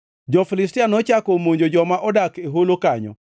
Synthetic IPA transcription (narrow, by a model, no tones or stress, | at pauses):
d͡ʒɔfilɪstianɔt͡ʃakɔmoɲd͡ʒod͡ʒɔmaʔɔdakeɦolokaɲɔ̰